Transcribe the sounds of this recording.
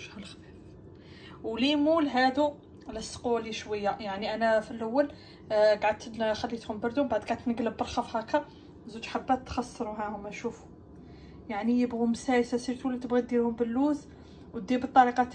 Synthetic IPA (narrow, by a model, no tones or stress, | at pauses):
ʒhælxbiɾ | wlimulɦæd̪u | ləsquliʃwəjːajaʕniʔænæfilʔawːəl | ɡaʕəd̪̚t̪xælːit̪hʊmbɑɾd̪umbaʕd̪̚ɡaʕəd̪t̪nəɡləbːəɾˤxɑfhækæ | zud͡ʒħabːæt̪ːxɑsˤːəɾuɦæhʊmæʃufu̥ | jaʕnijəbɣumːsæjsæsiɾt̪ulit̪əbɣit̪d̪ihʊmbəlːuz | w̚d̪ibət̪ˤːɑɾiqɑ